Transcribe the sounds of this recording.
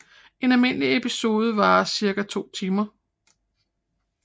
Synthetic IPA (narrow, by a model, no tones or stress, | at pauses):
e̝nælme̝n̰əliepiso̝ːð̞ˠəʋɑ̈ːsiɐɡ̥æt͡sʰo̝̰ːt͡sʰiːmɐ